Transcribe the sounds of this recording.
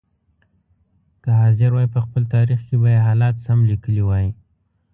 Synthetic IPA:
k̪əɦɑzɪɾwɑjpəxpəlt̪ɑɾixkebajeɦɑlɑt̪samlikəliwɑji

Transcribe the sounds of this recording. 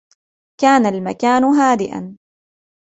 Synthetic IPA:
kaːnalmakaːnɦaːd̪ɪʔa̰n

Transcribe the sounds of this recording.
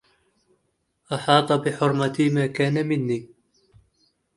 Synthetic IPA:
ʔɑħɑːt̪ˤɑbɪħʊɾˤmat̪iːmaːkaːnamɪnːiː

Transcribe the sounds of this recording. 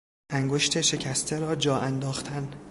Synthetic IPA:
ʔæŋɡo̞ʃt̪ʰeʃe̞cʰæst̪ʰeɾɒːd͡ʒɒːʔænd̪ɒːxt̪ʰæn

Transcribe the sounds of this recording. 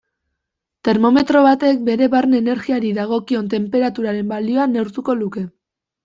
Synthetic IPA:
t̪e̞ɾmo̞me̞t̪ɾo̞βat̪e̞k̚be̞ɾe̞βaɾne̞ne̞ɾɣiaɾiðaɣ̞o̞kio̞nt̪e̞mpe̞ɾat̪uɾaɾe̞mbalio̞anewɾt̪uko̞luke̞

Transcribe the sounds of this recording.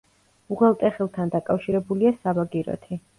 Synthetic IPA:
uʁɛlˠt̪ʼɛχɛlˠt̪ʰand̪akʼafʃiɾɛbuliasabaɡiɾɔ̰t̪ʰi

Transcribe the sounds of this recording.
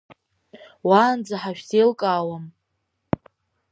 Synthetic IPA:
waːnd͡zaħaʃᶣselkʼaːwam

